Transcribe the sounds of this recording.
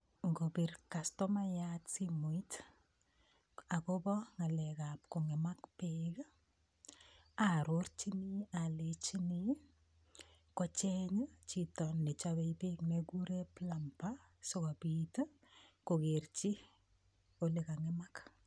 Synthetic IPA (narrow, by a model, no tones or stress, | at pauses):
ŋɡobirkastɔmajatsimuit | akobɔŋalɛkapkoŋɪmakpek | aɾort͡ʃinialet͡ʃini | kɔt͡ʃɛɲt͡ʃitɔnːɛt͡ʃaβɛjpeknekuɾeplampa | sɔkabit | kokert͡ʃi | olikaŋɪmak